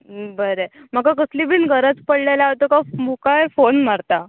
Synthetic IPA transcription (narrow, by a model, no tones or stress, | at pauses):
bəɾem̤akakəslibiːnɡʱəɾət͡spəɽlelaʋt̪əkamukajfonmaɾt̪a